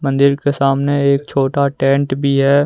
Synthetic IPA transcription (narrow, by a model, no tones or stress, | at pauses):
mə̃nd̪ɪɾkesaːmneeːk̚t͡ʃʰoːʈaʈɛ̃ːɳʈbʱiɦɛː